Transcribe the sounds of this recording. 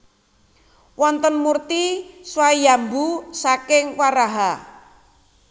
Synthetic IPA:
wɔnt̪ɔnmurt̪iswajambusakɪŋwaɾaɦa

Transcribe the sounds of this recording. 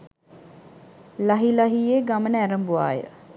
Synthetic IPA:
laɦilaɦijeːɡamənəæɾəmbuʋa̰ːjə̰

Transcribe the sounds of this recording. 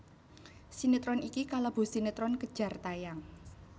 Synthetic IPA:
sinet̪ɾɔnikikalab̥o̤sinet̪ɾɔnkəd̥ʒ̥a̤rt̪ajaŋ

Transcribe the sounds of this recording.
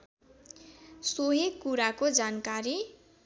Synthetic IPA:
soɦeɡkuɾakod͡zankaɾi

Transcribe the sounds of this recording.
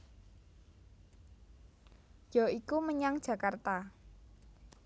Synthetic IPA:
jɔikuməɲaŋd̥ʒ̥ä̤kart̪a

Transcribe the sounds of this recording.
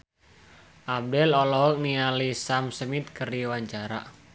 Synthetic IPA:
ʔab̚dɛlɔlɔɦɔk̚nialisamsəmit̪̚kəriwaɲt͡ʃaɾa̰

